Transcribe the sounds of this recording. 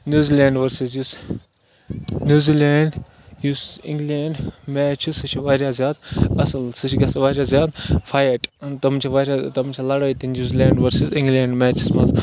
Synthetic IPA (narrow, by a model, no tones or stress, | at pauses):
njuːziːlʲẽːɳɖʋɐɾsizjus | njuːziːleːɳɖ | jusĩŋɡleːɳɖmɛːt͡ʃʰisɨt͡ʃʰiʋaːɾʲjaːzʲjaːd̪ɐsɨlsɨt͡ʃʰɡɐsʋaːɾʲjaːzjaːd̪fʰaːjɐʈt̪ɐmt͡ʃʰiʋaːɾjat̪ɐmt͡ʃʰɐlɐɽaːit̪injuːziːlʲeːɳɖʋɐɾsizĩŋɡleːɳɖmɛːt͡ʃʰismɐ̃nz